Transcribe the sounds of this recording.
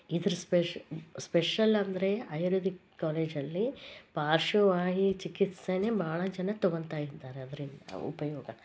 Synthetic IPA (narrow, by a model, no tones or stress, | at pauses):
id̪ɐɾuspespeʂɐlɐnd̪ɐɾe̞ɐjɾuːd̪ikːaːleːd͡ʒɐlːipaːɾʃuʋaːɦit͡ʃikit̪senebʱaːɭɐd͡ʒɐnɐt̪ɔɡoɳt̪aːjid̪ːaːɾeɐd̪ɐɾind̪ɐ̰ṵpɐjɔːɡɐ